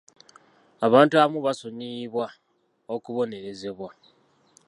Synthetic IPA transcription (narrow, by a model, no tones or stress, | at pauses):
aβaːntuaβmuβasoniːβwa | okuβo̞ne̞ɾe̞ze̞βwa